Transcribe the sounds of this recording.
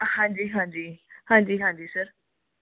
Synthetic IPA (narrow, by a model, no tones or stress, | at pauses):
hãɲd͡ʑiːɦãd͡ʑiːhãɲd͡ʑiːɦãɲd͡ʑiːsəɾ